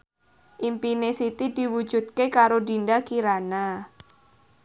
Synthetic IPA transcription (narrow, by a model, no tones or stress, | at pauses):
ʔimpinesit̪idiwu̥d͡ʒṳt̪̚kekaɾodindakiɾana